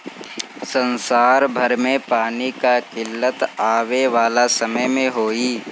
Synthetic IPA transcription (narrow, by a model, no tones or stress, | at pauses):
sə̃nsaːɾbʱɐɾmẽpaːnikakɪlːət̪aːʋeʋaːlasɐməjmẽɦoːiː